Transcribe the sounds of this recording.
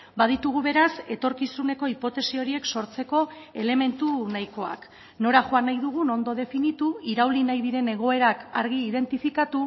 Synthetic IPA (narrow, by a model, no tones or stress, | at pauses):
baðit̪uɣ̞uβe̞ɾase̞t̪o̞ɾkisune̞ko̞ipo̞t̪e̞sio̞ɾie̞kso̞ɾt͡se̞ko̞e̞le̞me̞nt̪unajko̞a̰k | no̞ɾaxoanːajðuɣ̞uno̞nd̪o̞ðe̞finit̪uiɾawlinajðiɾe̞ne̞ɣ̞o̞e̞ɾakaɾɣiːðe̞nt̪ifikat̪u